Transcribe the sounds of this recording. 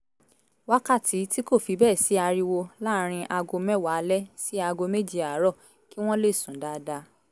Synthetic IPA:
wa˦ka˦˨tʰi˨˦ti˦ko˦˨fi˧bɛː˦˨si˨˦a˧ɾi˧wo˧la˦˧ɾ̃ĩ˧ʔa˧ɡo˧mɛ˦wa˨˦lɛ˦si˦a˧ɡo˧me˦d͡ʒi˦a˨˦ɾɔ˦˨ | ki˦w̃ɔ̃˦le˦˨sũ˨˦da˨˦da˧˦

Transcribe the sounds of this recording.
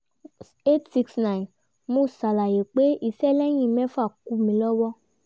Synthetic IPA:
e˦tsi˧ksnã˨n | mũ˦˨sa˨la˨je˨k͡pe˦i˦˨sɛ˦lɛ˦j̃ĩ˦˨mɛ̃˦fa˦˨ku˨˧mĩ˨˦lɔ˦wɔ˦

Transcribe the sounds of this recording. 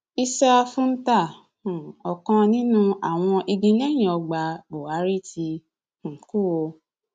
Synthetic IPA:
i˧sa˦a˧fũ˦n̩˦tã˦˨ | ɔ˨kã˧nĩ˦nũ˦a˨w̃ɔ̃˧ʔi˧ɡĩ˧˦ɲɛ̃˦j̃ĩ˨ɔ˧ɡ͡ba˧bo˨a˨˦ɾi˦˨tʰi˧˨ | ku˦˨wo˧

